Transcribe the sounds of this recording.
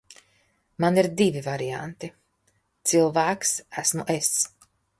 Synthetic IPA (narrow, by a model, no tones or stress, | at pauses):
maniɾd̪ivivaɾia̰nt̪i | t̪silˠvæːksæsmuʔes